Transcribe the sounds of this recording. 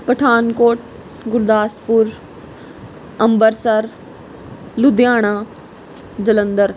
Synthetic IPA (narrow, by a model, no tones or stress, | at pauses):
pəʈʰaːnkoːʈ | ɡʊɾd̪aːspuɾ | ɐmbəɾsəɾ | lʊd̪jaːɽ̃ãː | d͡ʑɐlə̃nd̪əɾ